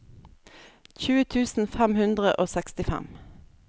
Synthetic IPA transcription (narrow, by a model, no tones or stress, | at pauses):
çʉːət̪ʰʉːsn̩fæmhʉnd̪ʁəʔoːsɛkst̪ɪfæ̰m